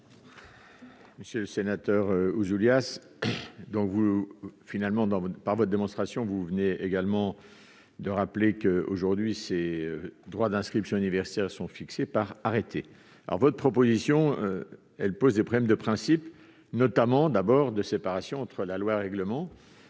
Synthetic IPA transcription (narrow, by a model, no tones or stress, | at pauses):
məsjøləsenat̪œʁøuzuljas | d̪ɔ̃kvufinalmɑ̃d̪ɑ̃paʁvɔt̪̚d̪emɔ̃st̪χasjɔ̃vuvəneeɡalmɑ̃ | d̪əʁaplekəoʒuʁd̪ɥiseød̪ʁwad̪ɛ̃skχipsjɔ̃ynivɛʁsi̥t̪ɛʁsɔ̃fiksepaʁaʁet̪ʰe | alɔ̰ʁvɔt̪χpχɔpozisjɔ̃ø | ɛlpozd̪epχɔblɛmd̪əpχɛ̃sip | nɔt̪amɑ̃d̪abɔʁd̪əsepaʁasjɔ̃ɑ̃t̪χəlalwaʁɛɡləmɑ̃